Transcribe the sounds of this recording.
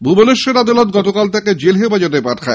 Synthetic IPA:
bʱuboleʃːeɾad̪alot̪̚ɡɔt̪okalt̪ɛked͡ʑelɦefad͡ʑot̪̬epaʈʰkʰae

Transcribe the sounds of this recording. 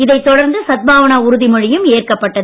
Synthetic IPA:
ɪðɐɪt̪ːɔɽɐɾnd̪ɯsɐt̪̚bʱaːʋɐnaʊɾʊðɪmɔɻɪjɯmeːrkɐpːɐʈːɐðɯ

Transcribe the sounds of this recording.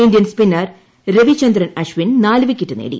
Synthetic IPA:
indjɐnspinːɐr | reʋit͡ɕɐnd̪rɐnɐɕʋinnaːlɨʋikʲːiʈːɨnḛːɽḭ

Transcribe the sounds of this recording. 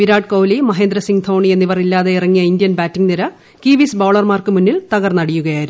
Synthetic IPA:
ʋiɾaːɖkoːwlimɐɦeːnd̪ɾɐsiŋt̪ʰo̞ːɳienːiʋɐrilːaːðe̞irɐŋːijɐind̪ijɐnbaːtːiŋɡniɾɐ | kiːʋisboːɭɐrmaːrkɨmunːilt̪ɐɣɐrnɐɽijuɣɐjaːiɾum

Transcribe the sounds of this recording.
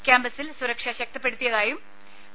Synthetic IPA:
kʲaːmbɐsilsuɾɐkʂɐɕɐk̚t̪ɐpːe̞ɽut̪ːijɐðaːjum

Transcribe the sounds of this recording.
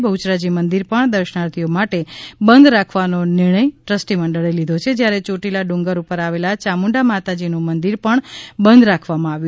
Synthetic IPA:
bəut͡ʃɾad͡ʒimənd̪iɾpəɳd̪əɾʃənaɾt̪ʰijomaʈebənd̪ɾakʰʋanonɪɾɳ̃əjʈɾəsʈimə̃ɳɖəɭejlid̪ʱot͡ʃʰed͡ʒjaɾet͡ʃoʈilaɖũŋɡəɾupəɾaʋelat͡ʃamuɳɖamat̪ad͡ʒinũmənd̪iɾpəɳbənd̪ɾakʰʋamãaʋju

